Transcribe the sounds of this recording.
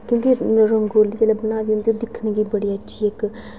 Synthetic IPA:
kjõːkiɾəŋɡoːliːt͡ʃeːlɛbənaːʋiːɦʊ̃nd̪iːoːd̪ɪkʰnɡiːbəɽiːətːʃʰiːek

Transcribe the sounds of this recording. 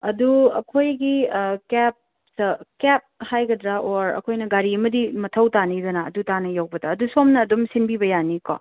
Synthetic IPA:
ɐduɐ̰kʰojɡikɛp̚ | sɐkɛp̚hajɡɐdɾaʔoɾɐ̰kʰojnɐɡaɾiɐmɐdimɐtʰɐwtanidɐnaɐ̰dutanɐjawbɐdɐːdusomnɐːdomsinbibɐjaniko̰

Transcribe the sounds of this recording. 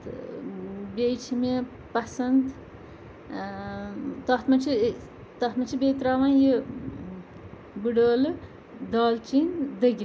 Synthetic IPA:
bʲejt͡ʃʰime | pɐsɐnd̪ | t̪ɐht̪mɐt͡ʃʰi | t̪ɐt̪mɐt͡ʃʰibʲet̪ɾaːʋãːnji | buɖoːlɨ | d̪aːlt͡ʃind̪ɐɡʲi

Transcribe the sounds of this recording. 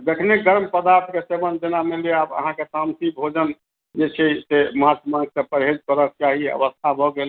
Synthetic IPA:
d̪ekʰneɡəɾmpəd̪aɾt̪ʰkesebənd̪inameleabə̰ɦãkesamt̪ibʱod͡ʒən | d͡ʒet͡ʃʰɛseməɦat̪maɡsə̃pəɾɦed͡ʒkəɾək̚t͡ʃaɦiə̰ʋəst̪ʰabʱɔɡel

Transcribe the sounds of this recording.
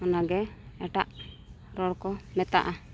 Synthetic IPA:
ɔnaɡɛɛʈaʔ | ɾɔɽkɔmɛt̪a̰ʔa

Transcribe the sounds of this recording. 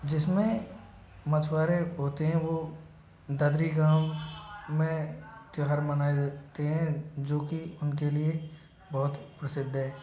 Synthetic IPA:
d͡ʒɪsmẽ | mɐt̪ʰwaːɾeɦoːt̪eɦɛ̃ʋo | d̪ɐd̪ɾiɡaːw | mẽt̪oɦaɾmɐnaːed̪aːt̪eɦɛ̃d͡ʒoːkiʊnkelie | bɔɦʊt̪pɾəsɪd̪ʱːɦɛː

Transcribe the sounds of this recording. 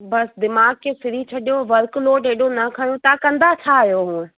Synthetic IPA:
bɐsd̪ɪmaːɡ̚kesɪɾit͡ʃʰɐɗijoʋɐɾkloːʈɦeːɗonɐkʰaːj̃õt̪akɐ̃nd̪at͡ʃʰaːijoɦũːẽ

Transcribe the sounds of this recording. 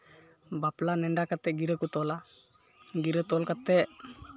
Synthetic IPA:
baplanɛɳɖakat̪ːɛɡiɾəkut̪ɔla | ɡiɾət̪ɔlkat̪ːɛʔ

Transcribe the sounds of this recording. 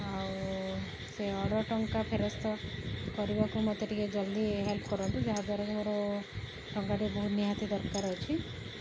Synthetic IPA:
aw | seɔɽɔʈɔŋkapʰeɾɔst̪ɔkɔɾibakumɔt̪eʈiked͡ʒɔld̪iɦelpʰkɔɾɔnt̪ud͡ʒaɦad̪waɾɔkɔmɔɾɔ | ʈɔŋkaʈibɔɦut̪niɦat̪id̪ɔɾkaɾɔt͡ʃʰi

